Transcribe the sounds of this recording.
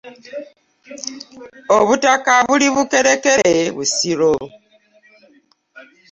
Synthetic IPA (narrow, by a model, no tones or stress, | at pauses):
oβutakaβuliβuke̞ɾekeeβusiɾo